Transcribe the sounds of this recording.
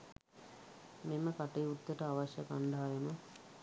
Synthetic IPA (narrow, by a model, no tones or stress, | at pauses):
meməkaʈijut̪ːəʈəaʋaɕjəkaɳɖaɦajəmə